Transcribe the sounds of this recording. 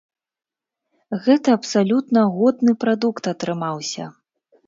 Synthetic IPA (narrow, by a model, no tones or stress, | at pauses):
ɣɛt̪ɐːpsalʲut̪nɐɣɔd̪nɨpɾad̪ukt̪ɐt̪ɾɨmawsʲɐ̰